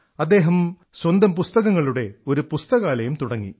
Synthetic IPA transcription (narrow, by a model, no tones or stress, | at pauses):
ɐd̪ːe̞ːɦɐm | swɐnd̪ɐmpust̪ɐɣɐŋːɐɭuɽe̞o̞ɾupust̪ɐɣaːlɐjumt̪uɽɐŋːḭ